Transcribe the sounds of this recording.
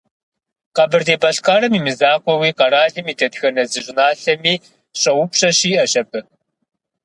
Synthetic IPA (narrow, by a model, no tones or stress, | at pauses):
qɐbɨrdeːbɐɬkʼaːɾɐmiːmɨzaːqʷʼɔwiːqɐɾaːɮɨmiːdʰɐtxɐnɐzɨɕʼɪnaːɬɐmiː | ɕʼɐwʊpɕʼɐɕiːʔɐɕʼɐpʰʼɨ